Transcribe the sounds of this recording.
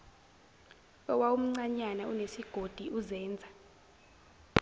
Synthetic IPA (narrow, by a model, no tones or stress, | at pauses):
ɔwaum̩ŋ͡ǀaɲanaunesiɡ̥ʱod̥ʱiʔuzɛːnd͡zʱa